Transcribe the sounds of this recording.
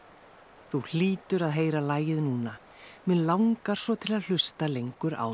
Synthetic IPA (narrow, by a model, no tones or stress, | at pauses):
θul̥iːt̪ʏɾaðɦeːjɾalaːjɪðnuːna | mɛðlawŋkaɾ̥svɔt̪ʰɪlaðl̥ʏst̪alejŋkʏɾa̰ːw